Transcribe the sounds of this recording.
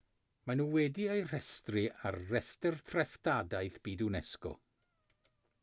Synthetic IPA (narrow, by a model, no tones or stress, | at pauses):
manuːwɛdiejr̥ɛstrɪa̰rːɛstɛrtʰrɛftadajθb̥iːdunɛskɔ̰